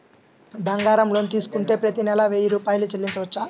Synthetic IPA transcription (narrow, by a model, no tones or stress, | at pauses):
bɐŋɡaːɾɐmlo̞ːnit̪iːsu̥kuɳʈe̞ːpɾɐt̪inɛlɐʋeːjiɾuːpaːjɐlut͡ʃelːiɲt͡ʃɐʋɐt͡ʃːaː